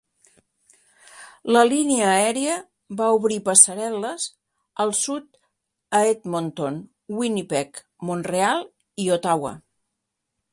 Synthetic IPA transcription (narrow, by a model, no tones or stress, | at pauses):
ləliniəːɛɾiə | βauβɾipəsəɾɛləz | əlˠsut̪ | əet̪mont̪on | winipɛk | monrealˠ | iot̪awə̰